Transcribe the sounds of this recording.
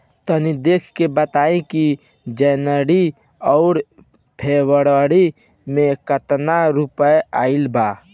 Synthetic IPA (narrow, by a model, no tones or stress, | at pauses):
t̪ənid̪eːkʰkebət̪aːẽki | d͡ʒɛːnəɽi | ɔʊɾ | pʰewəɽəɽi | mẽkət̪naɾupəeaːilba